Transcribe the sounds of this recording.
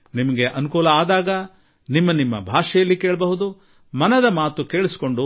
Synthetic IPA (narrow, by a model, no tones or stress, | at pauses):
nimɐɡeʔɐnukuːlɐaːd̪aːɡɐ | nimːɐnimːɐ̰bʱaːʂɐjɐlːikeːɭɐbɐɦud̪u | mɐnɐd̪ɐmaːt̪ukeːɭisi̥ko̞ɳɖu